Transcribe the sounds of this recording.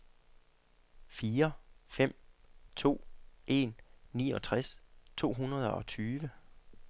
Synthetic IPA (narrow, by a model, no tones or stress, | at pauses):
fiːɐfem̰t͡sʰo̝̰ːʔe̝nːḭːɒ̽t͡sʰʁast͡sʰo̝̰ːɦunɐð̞ˠɒ̽t͡sʰyːʋə